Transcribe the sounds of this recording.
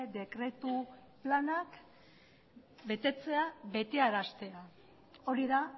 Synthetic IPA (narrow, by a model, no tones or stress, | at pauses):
d̪e̞kɾe̞t̪uplanak | be̞t̪e̞t͡se̞aβe̞t̪eaɾast̪e̞a | o̞ɾiða